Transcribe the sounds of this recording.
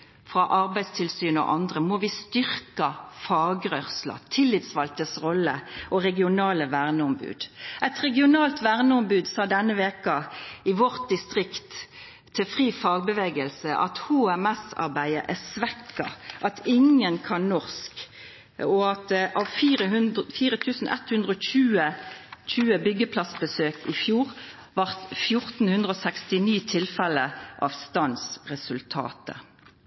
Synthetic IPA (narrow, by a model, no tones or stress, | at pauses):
fʁɑʔɑʁbæɪd̪st̪ʰɪlsyːnɔ̰ʔɑnd̪ʁəmɔʋɪst̪ʏɾkɑfɑːɡʁœʁslɑ̰t̪ʰɪlːɪt̪sʋɑlt̪əsʁɔlːəʔɔʁɛɡɪʊnɑːləʋæʁnəɔmbʉ̰ːd̪ʔɛt̪ʁɛɡɪʊnɑːlt̪ʋæʁnəɔmbʉːd̪sɑːd̪ɛnːəʋeːkɑɪʋɔʁt̪̚d̪ɪst̪ʁɪkt̪ʰː | ɪfʁiːfɑːɡ̚bəʋeːɡəlsəʔɑ̰t̪huːɛmɛsɑ̰ʁbæɪəʔæsʋɛkːɑ̰ʔɑt̪ʰɪŋənkʰɑnnɔʁsk | ɔɑt̪ʔɑːʋfiːʁəɦʉnd̪fiːʁət̪ʰʉːsn̩ʔɛ̰t̪hʉnd̪ʁəɔːçʉːəc͡çʉːəbʏɡəpʰlɑsbəsøːkʰɪfjuːʁ | ʋɑʁt̪fjʊʁt̪n̩hʉnd̪ʁəoːsɛkst̪ɪniːt̪ʰɪlfɛləʔɑ̰ʋst̪ɑnsʁɛsʉlt̪ʰɑ̰ːt̪ə̰